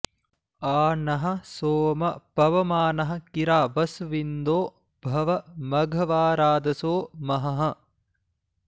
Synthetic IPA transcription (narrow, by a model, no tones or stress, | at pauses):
aːnɐɦɐ̆soːmɐpɐʋɐmaːnɐɦɐ̆kiɾaːʋɐsʋind̪oː | bʱɐʋɐmɐɡʱɐʋaːɾaːd̪ɐsoːmɐɦɐɦɐ̆